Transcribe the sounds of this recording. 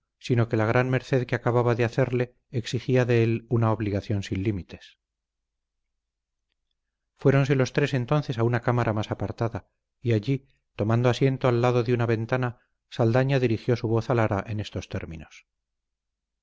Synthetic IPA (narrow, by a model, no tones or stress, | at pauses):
sino̞ke̞laɣ̞ɾʔanmeɾθe̞ðkeakaβaβaðeaθe̞ɾle̞ː | ksixiaðe̞elunaoβliɣaθjo̞nsinlimit̪e̞̥s | fwe̞ɾo̞ns̬e̞lo̞st̪ɾe̞se̞nt̪o̞nθe̞saunakamaɾʔamasapaɾt̪aða | iaʎi | t̪o̞mãnd̪oasje̞nt̪oalːaðo̞ðeunaβe̞nt̪ana | sald̪aɲaðiɾixjo̞suβ̞o̞θalaɾaʔe̞ne̞st̪o̞st̪e̞̰ɾmḭno̞s